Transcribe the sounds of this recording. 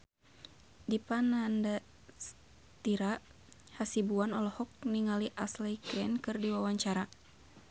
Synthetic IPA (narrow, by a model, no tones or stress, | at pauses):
dipananda | s | t̪iɾa | hasibuanɔlɔhɔk̚niŋaliʔaslɛkɾɛnkɨrdiwawaɲt͡ʃaɾa